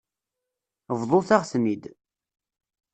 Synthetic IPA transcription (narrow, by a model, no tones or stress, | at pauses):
vðˤoθaʁsmid̪